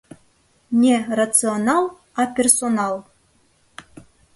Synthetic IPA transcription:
nʲerat̪sɨonɑlˠ | ɑpʲersonɑlˠ

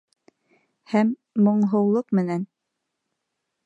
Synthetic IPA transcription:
hæmː | ŏɴɦɤ̆wlˠɤqmɘ̆næn

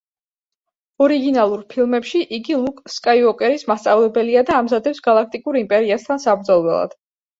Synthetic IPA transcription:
ɔɾiɡinalˠuɾpʰilˠmɛpʃiʔiɡilˠukʼskʼaiɔkʼɛɾismast̪sʼavlɛbɛliad̪aːmzad̪ɛpsɡ̥alˠak̚ʰt̪ʼikʼuɾimpʼɛɾiast̪ʰansabɾd̪zɔlˠwɛlˠa̰d̪̥

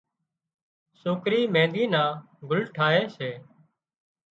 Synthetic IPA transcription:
soːkɾiːmẽːd̪iːnãː | ɡʊlʈʰaːɦeːseː

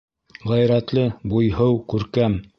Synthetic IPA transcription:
ʁæjɾæt̪lɘbujhɤwkʉɾkæm

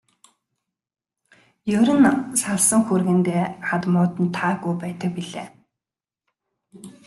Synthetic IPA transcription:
jɵɾʲɘ̆nsaɮsə̆ŋxurɣɘ̆nt̪eːχat̪mʊːt̪ə̆nt̪ʰaːɣujpæːt̪ə̆k̚piɮeː

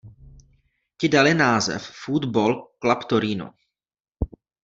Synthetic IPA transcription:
cɪdalɪnaːzɛ̰ffud̪bolklapt̪oɾiːno̰

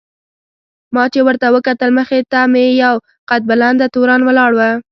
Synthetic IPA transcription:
mɑt͡ʃewəɾt̪awəkat̪əlməxet̪amejaw | qat̪̚bəland̪ət̪oɾɑnwəlɑɽwə

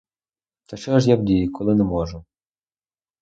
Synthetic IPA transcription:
t̪ɐʃt͡ʃɔʒjabdʲijʊkɔlˠɪnɛmɔʒʊ

